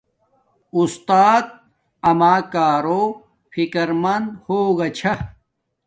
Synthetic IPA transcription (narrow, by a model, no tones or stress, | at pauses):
ust̪aːt̪̚ | ɐmaːkaːɾoː | fikɐɾmɐnd̪hoːɡɐt͡ɕʰɐ